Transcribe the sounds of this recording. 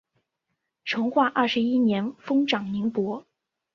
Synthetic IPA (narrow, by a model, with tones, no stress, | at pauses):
ʈ͡ʂʰʊ˧˥ŋxwa˥˧ʔɐ˥˩ʂɻ̩˧˥i˥njɛ˧˥nfɤ˥ŋʈ͡ʂɑ˨˩ŋni˧˥ŋpwɔ˧˥